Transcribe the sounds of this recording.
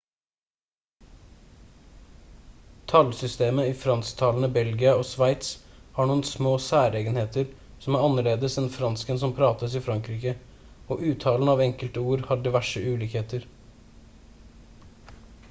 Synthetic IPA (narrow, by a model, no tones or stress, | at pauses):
t̪ʰɑlsʏst̪eːməiːfɾɑnst̪ʰɑːln̩əbɛlɡɪɑoːsʋæɪt̪shɑːɳuːənsmoːsæːɾeːɡənheːt̪əɾ | sɔmæɾɑnːəɭeːd̪əsɛnfɾɑnskənsɔmpʰɾɑːt̪əsiːfɾɑŋkɾiːkə | oːʔʉːt̪ʰɑːln̩ɑːʋɛŋkəlt̪əuːɾhɑɖɪʋæʂəʔʉːliːkheːt̪əɾ